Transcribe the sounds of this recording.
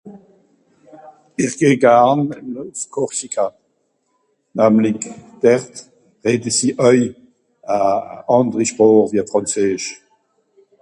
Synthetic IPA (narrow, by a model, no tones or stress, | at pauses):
iʁɡ̥eːɡaʁnəloskʰɔʁsikʰa | namlikd̥ɛʁt | ʁeːdəsiʔœj | aɑ̃ndʁiʃpʁoːʁviːɐfʁɑ̃nt͡seːʃ